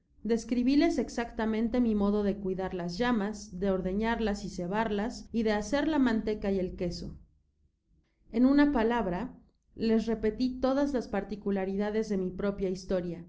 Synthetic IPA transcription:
d̪e̞skɾiβile̞se̞ksakt̪amẽnt̪e̞mimo̞ðo̞ð̞e̞kwiðaɾlazʝamazðe̞o̞ɾðe̞ɲaɾlasise̞βaɾlasiðe̞ase̞ɾlamãnt̪e̞kaje̞lke̞so̞̰ | e̞nũnapalaβɾa | le̞s̬re̞pe̞t̪it̪o̞ðazlaspaɾt̪ikulaɾiðaðe̞zðe̞mipɾo̞pjaist̪o̞ɾja

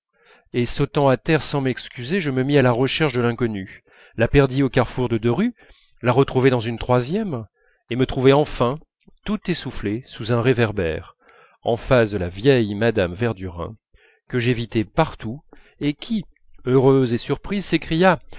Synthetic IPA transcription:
esot̪ɑ̃at̪ɛʁsɑ̃mɛkskʲyzeʒəməmialaʁəʃɛʁʃd̪əlɛ̃kɔny | lapɛʁd̪iokaʁfuʁd̪əd̪øʁy | laʁət̪χuvɛd̪ɑ̃zynt̪χwazjɛm | emət̪χuvɛɑ̃fɛ̃ | t̪ut̪esuflesuzɛ̃ʁevɛʁbɛ̰ʁ | ɑ̰̃fasd̪əlavjɛjmad̪amvɛʁd̪yʁɛ̰̃ | kəʒevit̪ɛpaʁt̪u | ekʲʰi | øʁøzesyʁpχizsekχija

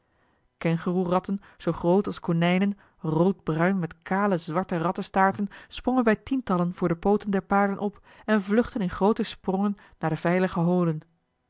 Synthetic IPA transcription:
kɛnχərurɑtən | z̥owχrowtɑlˠskonɛjnən | rowd̚brœɥnmɛtkaːləzʋɑɹtərɑtəstaːɹtənsprɔŋənbɛjtintɑlənv̥ʊːɹdəpowtəndɛɹpaːɹdənʔɔp | ɛnvlɵχtənɪnχrowtəsprɔŋənːaːɹdəv̥ɛjləχəɦowlən

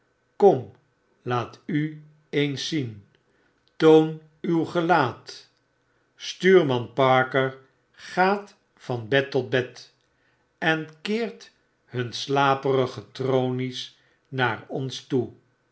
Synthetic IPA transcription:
kɔm | laːty | ejnsin | town | ywχəlaːt | styːɹmɑnpɑɹkəɹ | χaːt | fɑnbɛtɔd̚bɛt | ɛnkɪːɹt | hɵnslaːpəɾəχətrownis | naːɹɔnstu

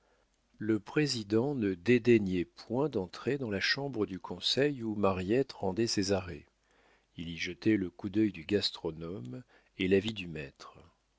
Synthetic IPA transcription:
ləpχezid̪ɑ̃nəd̪ed̪eɲɛpwɛ̃d̪ɑ̃t̪χed̪ɑ̃laʃɑ̃bʁəd̪ykʰɔ̃sɛjumaʁjɛt̪ʁɑ̃d̪ɛsezaʁe | iliʒət̪ɛləkud̪œjd̪yɡast̪χɔnɔm | elavid̪ymɛt̪χ

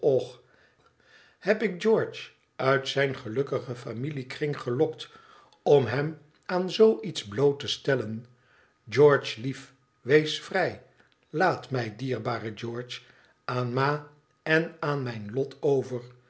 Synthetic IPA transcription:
ɔχ | hɛpɪk̚d͡ʒɔɹt͡ʃ | œɥtsɛjnχəlɵkəχəfamilikrɪŋχəlɔkt | ɔmɦɛm | aːnzowʔitzblowtəstɛlən | d͡ʒɔɹt͡ʃlif | ʋejsfrɛj | laːtmɛjdiːɹbaːrəd͡ʒɔːɹt͡ʃ | aːnmaː | ɛnaːnmɛjnlɔtʰowvəɹ

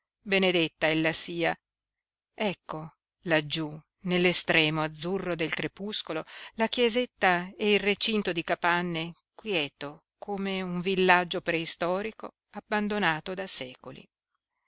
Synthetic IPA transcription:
bened̪et̪ːaɛlːasiːa | ɛkːo | lad͡ʒːu | nelːest̪ɾɛːmoad̪zːurːod̪elk̪ɾepuskololakjɛzet̪ːaeilret͡ʃint̪od̪ikapanːe | kwjɛːt̪o | kʰomeuɱvilːad͡ʒːopɾeist̪ɔːɾiko | abːand̪onaːt̪od̪asɛːkolḭ

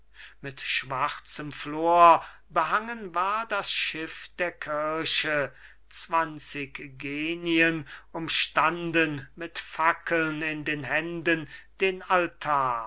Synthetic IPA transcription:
mɪtʃv̥aʁt͡səmfloːɐ | bəɦaŋənvaːɐdasʃɪfd̥eːɐkʰɪɐʃə | t͡sv̥ant͡sɪkɡeːniənʊmʃtandənmɪtfakʰəlnɪndeːnɦɛndənd̥eːnaltʰaːɐ

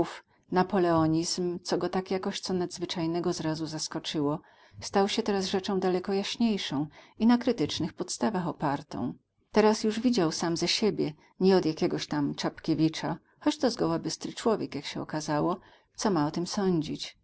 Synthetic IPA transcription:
uf | napɔlɛɔɲizmt̪sɔɡɔt̪akjakɔɕt̪sɔnad̪zvɘt͡ʂajnɛɡɔzɾazuzaskɔt͡ʂɘwɔ | st̪awɕɛt̪ɛɾasʐɛt͡ʂɔ̃w̃d̪alɛkɔjaɕɲejʂɔ̃w̃ | inakɾɘt̪ɘt͡ʂnɘxpɔt̪st̪avaxɔpaɾt̪ɔ̰̃w̃ | t̪ɛɾasjuʐvʲid͡ʑawsamzɛɕebʲjɛ | ɲɛɔd̪jakʲɛɡɔɕt̪amt͡ʂapkʲevʲit͡ʂa | xɔt͡ɕt̪ɔzɡɔwabɘst̪ɾɘt͡ʂwɔvʲjɛkjakɕɛɔ̰kazawɔ | t̪sɔmaɔt̪ɘmsɔɲd͡ʑit͡ɕ

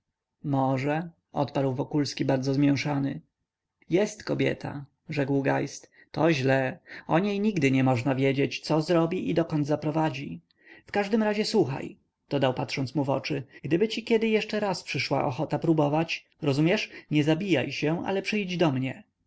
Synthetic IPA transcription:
mɔʐɛ | ɔ̰t̪paɾwvɔkulskʲibaɾd̪zɔzmʲjɛw̃ʂanɘ | jɛst̪kɔbʲjɛ̰t̪ʰa̰ | ʐɛkwɡajst̪ | t̪ɔʑlɛɔɲejɲiɡd̪ɘɲɛmɔʐnavʲjed͡ʑet͡ɕt̪sɔzɾɔbʲiʔid̪ɔkɔnd̪zapɾɔvad͡ʑi | fkaʐd̪ɘmɾaʑɛswuxa̰j | d̪̥ɔd̪awpat̪ʂɔnt̪muvɔ̰t͡ʂɘɡ̥d̪ɘbɘt͡ɕikʲɛd̪ɘjɛʂt͡ʂɛɾaspʂɘʂwa̰ʔɔxɔt̪apɾubɔvat͡ɕ | ɾɔzumʲjɛʂɲɛzabʲija̰jɕɛ̃ʔa̰lɛpʂɘjd͡ʑd̪ɔmɲɛ

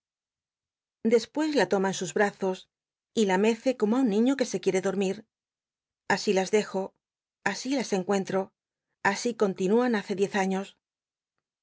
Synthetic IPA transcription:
d̪e̞spwe̞zlat̪o̞maensuzβɾaθo̞s | ilame̞θe̞ko̞moaunːĩɲo̞ke̞se̞kje̞ɾe̞ðo̞ɾmiɾ | asilazðe̞xo̞ | asilase̞ŋkwe̞nt̪ɾo̞ | asiko̞nt̪inuanaθe̞ðje̞θaɲo̞s

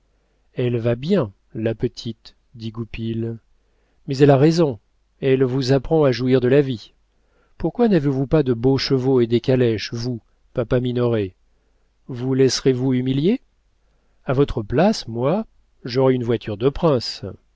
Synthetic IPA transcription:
ɛlvabjɛ̃ | lapət̪ʰit̪ | d̪iɡupil | mɛzɛlaʁezɔ̃ | ɛlvuzapχɑ̃aʒuiʁd̪əlavi | puʁkwanavevupad̪əboʃəvoed̪ekʲalɛʃvu | papaminɔʁe | vulɛsʁevuymilje | avɔt̪χəplasmwa | ʒɔʁɛynvwat̪ʰyʁd̪əpχɛ̃s

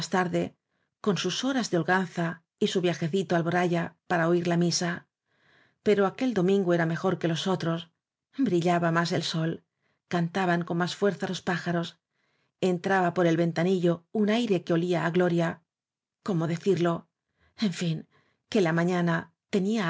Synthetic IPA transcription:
st̪aɾðe̞ | ko̞nsuso̞ɾazðeolɣanθa | isuβjaxe̞θit̪oalβoɾaʝapaɾaoiɾlamisa | pe̞ɾoake̞ld̪o̞mĩŋɡoe̞ɾame̞xo̞ɾke̞lo̞so̞t̪ɾo̞s | bɾiʎaβamase̞lso̞l | kant̪aβaŋko̞nmasfwe̞ɾθalo̞spaxaɾo̞s | e̞nt̪ɾaβapo̞ɾe̞lβe̞nt̪aniʎo̞unajɾe̞keo̞liaːɣlo̞ɾja | ko̞mo̞ðe̞θiɾlo | e̞ɱfiŋ | ke̞lamãɲana | t̪e̞nia

